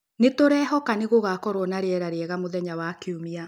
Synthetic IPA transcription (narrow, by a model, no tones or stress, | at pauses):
netoɾɛːɦɔkaneɣoɣakɔɾwɔnaɾeɛɾaɾeɛɣamoðɛɲawakeumia